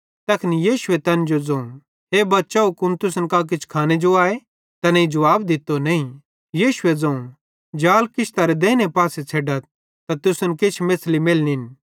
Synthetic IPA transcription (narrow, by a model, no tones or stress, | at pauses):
t̪ɐkʰnijiːʃʊet̪ɐnd͡ʒod͡zɐ̃ũ | ɦebɐtːʃaokʊnt̪ʊsnkak̬ɪt͡ʃʰkʰaːned͡ʒoaːe | t̪ɐnɐid͡ʒɐʋaːbd̪ɪt̪ːonɐĩ | jiːʃʊed͡zɐ̃ũ | d͡ʒaːlkɪʃt̪aɾed̪eːnepaːset͡sʰeːɖət̪̚ | t̪at̪ʊsʊnkɪt͡ʃʰmeːslimeːlnin